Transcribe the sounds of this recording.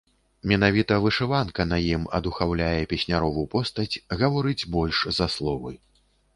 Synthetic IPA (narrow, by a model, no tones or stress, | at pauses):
mʲɛn̪avʲit̪ɐvɨʂɨvankɐnɐjimɐ̰d̪uxawlʲajɛpʲɛsʲnʲaɾɔvupɔst̪ɐt͡sʲɣɐvaɾɨd͡zʲbɔlʲʂzɐslˠɔvɨ̰j